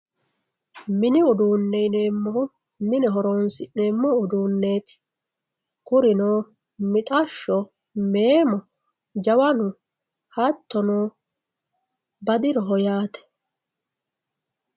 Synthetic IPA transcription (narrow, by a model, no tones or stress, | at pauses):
mɪnɪʊd̪uːnːɛjneːmːɔhʊ | mɪnɛɦɔɾoːnsɪneːmːɔʊd̪uːnːe̞ːt̪ɪ̥ | kʊɾɪnoː | mɪt̪ʼɐʃːɔ | me̞ːmɔ | d͡ʒɐwɐnʊ | hɐt̪ːɔnoː | bɐd̪ɪɾɔɦɔjaːt̪ɛ̥